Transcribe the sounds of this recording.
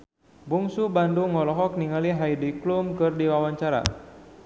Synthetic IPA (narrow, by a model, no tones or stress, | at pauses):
buŋsubanduŋɔlɔɦɔk̚niŋaliɦajdiklumkɨrdiwawaɲt͡ʃaɾa̰